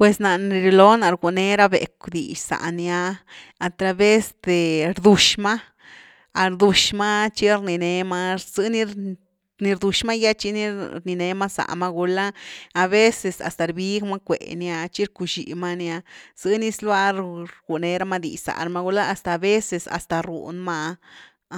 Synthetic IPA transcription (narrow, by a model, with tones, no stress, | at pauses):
pwe˨sna˨ni˧ɾi˧lo˦na˨ɾɡu˧˨ne˦ɾa˦bḛ˨kd̪ḭ˨ʃsa̰˨nja˧ | a˨t̪ɾa˧be˦sd̪e˨ɾd̪u˧ʃma˦ | a˨ɾd̪u˧ʃma˦t͡ʃi˦ɾni˧ne˧ma˦z̥ɨ˦ni˧ | ni˧ɾd̪u˨ʃma˦ja˦t͡ʃi˦ni˦ɾni˧ne˧ma˦sa̰˨ma˦ɡu˧laː˦˨be˦se˨sa̰˨st̪a˨ɾbi˦ɡma˦kʷḛ˨nja˧t͡ʃi˦ɾku˧ʃḭ˨ma˦nja˧z̥ɨ˦ni˧˦slwa˦˧ɾɾɡu˨ne˧ɾa˦ma˦d̪ḭ˨ʃsa̰˨ɾma˧˦ɡu˧laː˦˨st̪aː˨be˦se˧sa̰˨st̪a˨ɾṵ˨nma˦